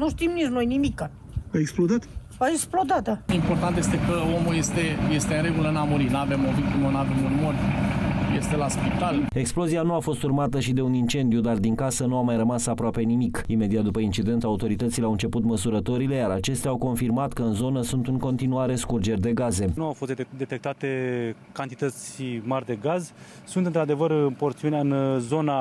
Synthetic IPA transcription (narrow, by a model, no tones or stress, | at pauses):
nuʃt̪imnisnojnimikːa | aeksplod̪at̪vaeksplod̪at̪əimpo̞rt̪ant̪je̞st̪e̞kəo̞muje̞st̪e̞je̞st̪eɨnɾe̞ɡulənamuɾinavemovik̚t̪imonave̞munmorʲ | je̞st̪e̞laspit̪ale̞ksplo̞zianuafo̞st̪urmat̪əʃid̪e̞unint͡ʃe̞nd̪ijud̪ard̪iŋkasənuamajɾəmasapɾoape̞nimikime̞d̪iat̪̚d̪upəint͡ʃid̪e̞nt̪aut̪o̞ɾit̪ət̪sileawɨnt͡ʃe̞put̪məsuɾət̪o̞ɾile̞jaɾat͡ʃe̞st̪eawko̞nfirmat̪kəɨnzo̞nəsunt̪uŋko̞nt̪inuaɾe̞skurd͡ʒe̞rʲd̪e̞ɡaze̞nuawfo̞st̪d̪e̞t̪e̞k̚t̪at̪e̞ | kant̪i̥t̪ət̪sʲmarʲd̪e̞ɡaz | sunt̪ɨnt̪ɾad̪e̞vərpo̞rt̪siuneaɨnzo̞na